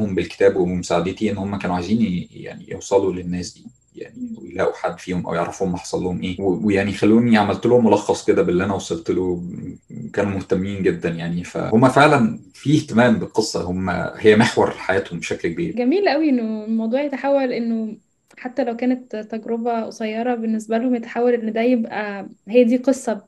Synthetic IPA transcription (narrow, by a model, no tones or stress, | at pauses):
hombelke̥t̪æːbwmemosaʕed̪et̪iʔenːhomːækæːnuʕajziːnja̰ʕnḭjḛwsˤɑlulenːæːsd̪iː | ja̰ʕniwejḛlæ̰ːʔuħad̪ːfiːhomʔæ̰wjeʕɾˤæfuːhomːɑħɑ̥sˤɑlːohomʔeːwewejaʕnixælːuːʔeniʕamælt̪eluːhomːolɑxːɑsˤked̪æbʔelːiʔænæwɑsˤɑlt̪elo | kæːnumoht̪æmːiːnɡed̪ːænjaʕnifæ̰homːæfeʕlæn | fiːht̪æmæːmbelqesˤːɑhomːæ̰hejːæmeħwɑ̰ɾˤħajæːt̪hombeʃæklk̚ebiːɾɡæmiːlʔæwiʔenːoelmɑwd̪ˤuːʕjet̪aħawːælʔenːo | ħat̪ːælæwkæːnet̪t̪ːæɡɾobæwsˤɑjːɑɾˤɑbenːesbælhomjet̪ḁħawːælʔenːd̪æjebʔæhejːæd̪iːqesˤːɑ